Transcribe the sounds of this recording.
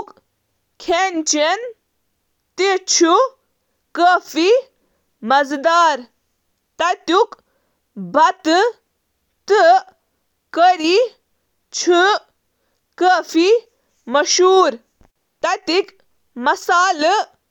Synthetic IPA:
k | kʰeːnt͡ʃen | t̪it͡ʃʰu | kəːfi | mɐzd̪aːɾ | t̪ɐt̪uk | bʱɐt̪ɨ | t̪ɨ | kəɾi | t͡ʃʰɨ | kəːfi | mɐʃuːɾ | t̪ɐt̪ik | mɐsaːl

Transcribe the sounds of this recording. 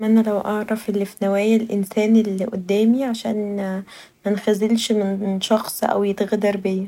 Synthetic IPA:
ʔænælæwʔɑʕɾˤɑfelːifinæwæːjælʔensæːnelːiʔod̪ːæːmiʕaʃæːn | mænxæzelʃmenʃɑxsˤʔæ̰wjet̪ɣd̪ɑɾˤbeː

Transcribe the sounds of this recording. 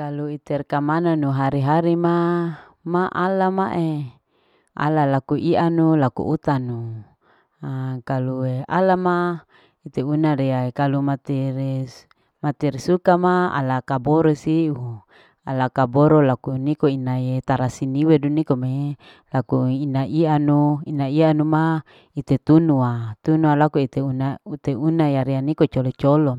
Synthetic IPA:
kaluit̪ɛrkamananuɦaɾiɦaɾima | maʔalamaʔe | ʔa̰lalakuʔiʔanulakṵʔut̪anu | akaluealama | it̪eunaɾeaekalumat̪iɾ | mat̪irsukamaa̰lakaboɾosiu | a̰lakaboɾolakunikoinaet̪aɾasiniwedunikome | lakuinaʔianuinaianuma | it̪et̪unuat̪unualakuit̪eunaut̪eunajaɾianikot͡ʃolot͡ʃolo

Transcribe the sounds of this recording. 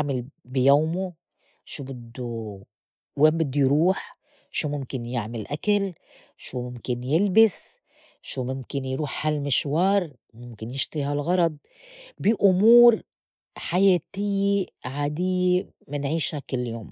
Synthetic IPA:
ʕmalbijaːmu | ʃuːbɪd̪ːu | weːmbɪd̪ːujɾuːħ | ʃuːmʊmkɪnjɪʕmalʔakal | ʃuːmʊmkɪnjɪlbɪs | ʃumʊmkɪnjɾuːħhalmɪʃwɑːɾˤ | mʊmkɪnjɪʃt̪ɾiɦalɣɑɾˤɑd̪̚ˤ | bɪʔʊmuːɾ | ħajeːt̪ɪjːeʕaːd̪ɪjːe | mɪnʕiːʃhakɪlːjoːm

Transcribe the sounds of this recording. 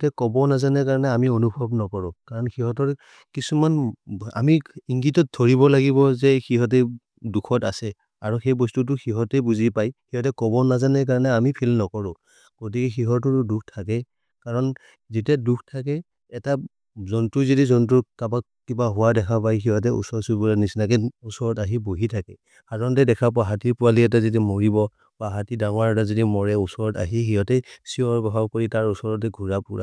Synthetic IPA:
tɛkɔbɔnazanɛkaɹɔnɛamionubʱɔbnɔkɔɹʊ̃kaɹɔnxiɦɔtɔɹ | kisumana̰miiŋɡitɔt̚dʰʱoɹibɔlaɡiβɔzɛxiɦɔt̬ɛ | dukʰɔta̰sɛ | aɹuxejbɔstut̬ʊxiɦɔtɛbuzipajxiɦɔtɛkɔbɔnazanɛk̬aɹɔnɛamipʰilnɔkɔɹʊ̃ | ɡ̥ot̬ikɛxiɦɔtʊtduk̚ʰtʰakɛ | kaɹɔn | zitɛdukʰtʰakɛ | ɛta | zɔntuzidizɔntuɹkaba | kibaɦʊwadɛkʰapajxiɦɔtɛṵsɔɹsubuɹanisnakitusɔɹɔtaɦiboɦitʰakɛ | kaɹɔntɛdɛkʰapɔaɦatiɹpʊaliɛtazitɛmoɹibɔ | baɦatidaŋɔwaɹɔtazodimɔɹɛusɔɹɔta̰ɦixiɦɔtɛsiɔɹɡɔɦakoɹitaɹusɔɹɔtɛɡʱuɹapuɹa̰

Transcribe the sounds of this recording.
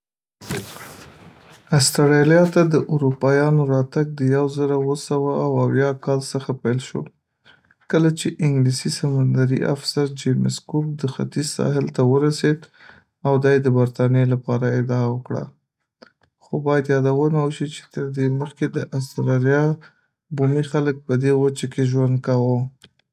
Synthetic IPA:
ast̪aɾeljɑt̪ad̪əʔʊɾupɑjɑnoɾɑt̪aɡ̚d̪əjawzəɾawəsawaaːwawjɑkɑlsəxapajlʃo̰ | kəlat͡ʃeʔɪŋɡlisisamand̪aɾḭa̰fsaɾd͡ʒemɪskok̚d̪əxa̰t̪izsɑ̰hɪlt̪awəɾased̪ | awd̪ɑjed̪əbaɾt̪ɑnjelapɑɾaɪd̪ɑawəkɽa̰ | xobɑjad̪jɑd̪awənawəʃit͡ʃe̥t̪əɾd̪eməxked̪əʔast̪ɾɑɾijɑ | bumixalək̚pəd̪ewət͡ʃakeʒwand̪̚kawo

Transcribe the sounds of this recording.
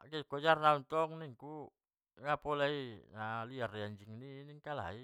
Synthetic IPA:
akikod͡ʒarnaunt̪ɔŋniŋku | ŋapolainaliariaɲd͡ʒiŋniniŋkala̰i

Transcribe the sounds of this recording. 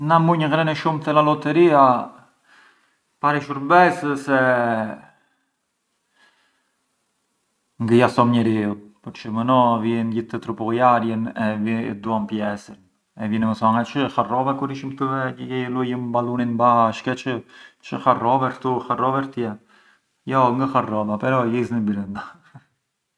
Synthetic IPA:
namuɲəɡɾɛnɛʃumt̪ɛlalɔt̪əɾia | paɾɛʃuɾbɛsəsɛ | ŋɡəjasɔmɲɛɾiupəɾt͡ʃəmənɔvjinɟiθt̪ət̪ɾupɔɣjaɾjənɛvḭd̪uampjɛsən | ɛvjɛnɛməsɔŋat͡ʃəxarɔvɛkuɾiʃimt̪əvɛəjɛjɛlujəmbalˠuninbaʃkɛt͡ʃət͡ʃəxarɔvɛɾt̪uxarɔvɛɾt̪jɛ | jɔŋɡəxarɔbapɛɾɔliznibiɾənd̪a

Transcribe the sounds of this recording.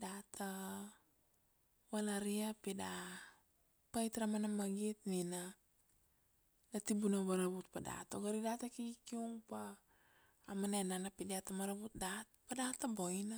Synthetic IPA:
dat̪ʰa | walaɾiapida | pajt̪ɾamanamaɡit̪nina | datibunaβaɾaβut̪̚pada̰toɡaɾidatakiɡikiuŋpaː | manananapidiatamaɾabut̪̚datpadatabo̞jna

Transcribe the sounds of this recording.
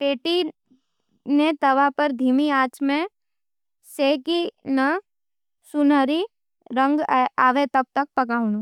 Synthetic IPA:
ʈeːʈi | net̪ɐʋapəɾd̪ʱiːmiaːt͡ʃmẽ | seːkinə | sʊnəɾi | ɾə̃ŋɡaːʋet̪ɐb̚t̪ək̚pɐkaːʊ̃nũ

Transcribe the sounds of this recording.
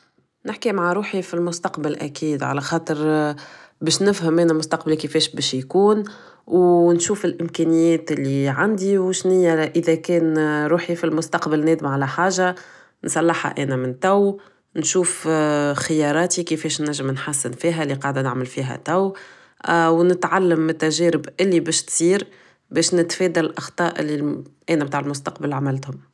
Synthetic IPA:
nɪħkimaʕaɾuːħifilmʊst̪ɑqbɪlʔækiːd̪ʕa̰læxɑːt̪ˤəɾ | bɛːʃnɪfhæmʔæːnæmʊst̪ɑq̚balikəfɛːʃbɛːʃjkuːn | wnʃuːfɪlʔɪmkɛːnɪjːɛːt̪ɪlːiʕand̪iwʃnɪjːæʔəðækɛːnɾuːħifilmʊst̪ɑqbɪlnɛːd̪ɪmʕalæħaːʒa | nsˤɑlːɑħha̰ʔɛːnæmɪnt̪æw | nʃuːfxɪjɑːɾˤɑːt̪ikəfɛːʃnæʒːəmnħasːɪnfiːɦælːiqɑʕd̪ænɪʕmɪlfiːɦæ̰t̪æw | wnɪt̪ʕalːəmːɪt̪ːæʒɛːɾɪbʔɪlːibɛːʃt̪siːɾ | bɛːʃnɪt̪fɛːd̪ællʔɑxt̪ˤɑːʔɪlːiʔɛːnæb̚t̪aːʕɪlmʊst̪ɑqbalʕamalt̪hʊm

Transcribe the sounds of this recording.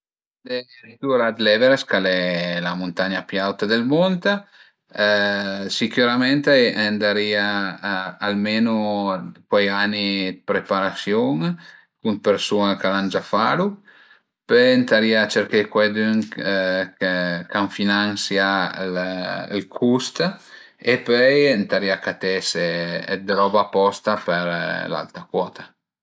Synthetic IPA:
d̪e | ɾid̪uɾad̪lɛveɾeskalɛlamunt̪aɲapjawt̪ad̪elmont̪a | sikuɾamɛnt̪ɛnd̪aɾiːaː | lmenukwɛjanipɾepaɾasjoŋ | kunpeɾsunakaland͡ʒafalu | pønt̪aɾiːat͡ʃeɾkejkwɛd̪yŋ | kkaɱfinansjallkʰust̪ | epœjnt̪aɾiːakat̪ɛseɛ̰d̪ɾɔbapɔst̪apeɾla̰lt̪ɾakwɔːt̪a

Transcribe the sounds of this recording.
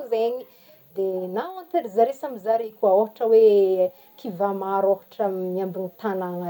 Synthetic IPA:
zeɲi | d̪enawãnt̪eɾizaɾesamizaɾikuaoɦaʈ͡ʂəwe | kʰivamaɾoɦaʈ͡ʂəmiambinit̪anaŋa

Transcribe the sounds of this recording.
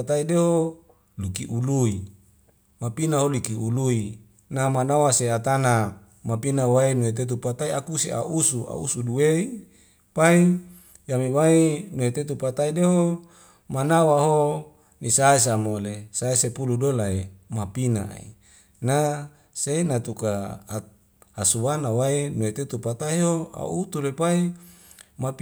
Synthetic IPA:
t̪aideho | lukiʔului | mapinaɦolukiului | namanawaseat̪ana | mapinawainuet̪̬et̪̬upat̪aiakusea̰usua̰ṵsuduwei | pai | jamiwainuet̪et̪̬upat̪aideɦo | manawaɦo | nisaes̬amolesaesepuludolaemapina̰ḭ | na | seinat̪uka | hasuwanawainuet̪et̪upat̪aiɦoa̰ut̪ulepai | map

